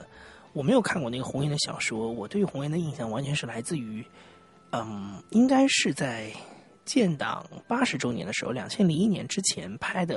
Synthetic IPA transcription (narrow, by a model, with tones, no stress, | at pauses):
wɔ˨˩me˧˥ɪjo˨˩kʰa˥˧nkwɔ˥˧na˥˩ɡə˨xʊ˧˥ŋi˧˥nd̪ə˧ɕjɑ̰˨˩ʊʂwɔ˥wɔ˨˩t̪we˥˩y˧˥xʊ˧˥ŋi˥nd̪ə˧i˥˩˧nɕjɑ˥˩ŋwa˧˥nt͡ɕʰɥɛ˧˥nʂɻ̩˥˩la˧˥ɪt͡sɹ̩˥˩y˧˥ | ə˥˩mi˥ŋka˥ɪʂɻ̩˥˧t͡sa˥˩ɪ | t͡ɕjɛ˥˩nt̪ɑ̰˨˩˦ŋpa˥ʂɻ̩˧˥ʈ͡ʂo˥ʊnjɛ̰˧˥nd̪ə˧ʂɻ̩̰˧˥˧ljɑ˨˩ŋt͡ɕʰjɛ˥nli˧˥ŋi˥˩njɛ˧˥nʈ͡ʂɻ̩˥t͡ɕʰjɛ˧˥npʰa˥ɪd̪ə˨